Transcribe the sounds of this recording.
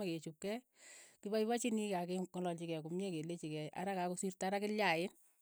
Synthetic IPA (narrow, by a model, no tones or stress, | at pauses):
aket͡ʃup̚kɛ | kibajpat͡ʃinikakeŋɔlɔlt͡ʃikɛkumjekelet͡ʃikɛa̰ɾakakosirtaɾakɪljaɪn